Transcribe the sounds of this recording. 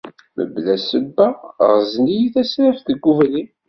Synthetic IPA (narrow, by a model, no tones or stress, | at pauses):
mə̰blæsəbːæʁznijiθæsɾæfθəɡːuvli